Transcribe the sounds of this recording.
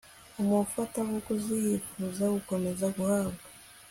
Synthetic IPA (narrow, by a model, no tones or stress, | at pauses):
umufataɡokuzijifuzaɡuko̞me̞zaɡuhaːbɡa